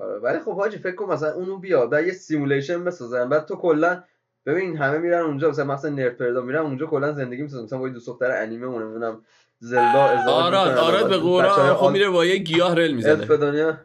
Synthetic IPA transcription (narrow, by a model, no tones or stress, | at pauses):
ɒ̰ɾ̰vælixo̞bhɒːd͡ʒʰife̞cʰkonmːæs̬ælænʔuːnobijɒd̪̚bæd̪jesimuleʃenbe̞sɒːzæmbæːd̪̚t̪ʰokʰolːæn | b̥e̞binːnɦæmemiɾænund͡ʒɒːmæslæmæsænːeɾt̪̚pe̞ɾd̪ɒmiɾæmund͡ʒɒːkʰolːænze̞nd̪e̞ɡiːmisɔzæmæslæmbːjed̪usoxt̪æɾeʔæniːmeunemed̪unæm | zelːɒːezɔːɾɔɔːɾɔbeɣoæɾɔomiɾebɒːjeɟijɒːhɾelmizænfed̪onijɒ